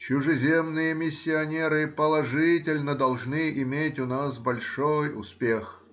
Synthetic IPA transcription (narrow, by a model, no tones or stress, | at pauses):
t͡ɕʊʐɨzʲemnɨjəmʲɪsʲːɪɐnʲeɾɨpəlˠɐʐɨtʲɪlʲnəd̪ɐlˠʐnɨʔɪmʲetʲʊnasbɐlʲʂojʊ̰spʲex